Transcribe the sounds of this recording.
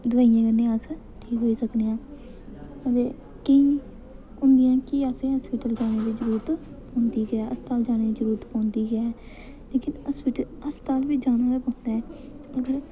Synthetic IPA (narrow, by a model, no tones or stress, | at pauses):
d̪ʋaːijãːkəɾnẽːəs | ʈʰiːkɦoːiːsəkneːãː | ət̪eː | kəĩː | ʊnd̪ɪjãːkɪaːsẽːɦəːspɪːʈəld͡ʒaːɽ̃eːd̪iːd͡ʒəɾuːɾət̪ | põːnd̪iːɡaːʔəst̪aːld͡ʒaːñeːd̪iːd͡ʒəɾuːɾət̪pɔ̃ːnd̪iːɡɪaːɛː | leːkɪnəspiːʈəl | əst̪aːlʋiːd͡ʒaːñaːd̪aːpãːnd̪aːɦɛː | əɡəɾ